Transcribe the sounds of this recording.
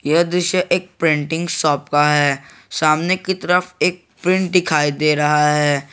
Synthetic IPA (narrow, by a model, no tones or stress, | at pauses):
jed̪ɪʃəʔeːk̚pɾɪ̃ɳʈɪ̃ŋɡsɔːpkaɦɛː | saːmnekit̪ɐɾəfeːk̚pɾɪ̃ɳʈ̚d̪ɪkʰaːid̪eːɾɐɦaɦɛː